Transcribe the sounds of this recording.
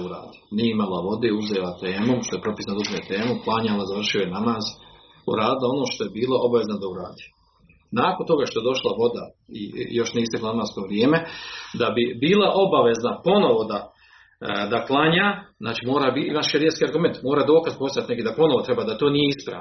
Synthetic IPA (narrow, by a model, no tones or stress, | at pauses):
uɾa̰ːd̪i̥nijeimalˠaʋo̞d̪euzelat̪eːmuʃt̪o̞jepɾo̞pisnand̪uʒmoet̪e̞ːmuplˠaɲalazaʋr̩ʃiojenamaːz | ṵɾaːd̪ilˠao̞no̞ːʃt̪o̞jebiːlˠaʔo̞baʋe̞znad̪auɾa̰ːd̪iː | naːkont̪o̞ɡaʃt̪oe̞d̪o̞ʃlaʋo̞d̪a | ḭjo̞ʃniːist̪eklananast̪oʋɾjeːmed̪abibiːlˠaʔo̞baʋe̞znapo̞no̞ʋo̞d̪a | d̪aplˠaɲaːznaːt͡ʃimo̞ːɾaːbiimaʃeɾjeskiaɾɡume̞nt̪mo̞ːɾaːd̪o̞ːkazpost̪ajat̪nekid̪apo̞no̞ʋo̞t̪ɾe̞baːd̪at̪o̞ːnije̞ispɾa̰ːʋno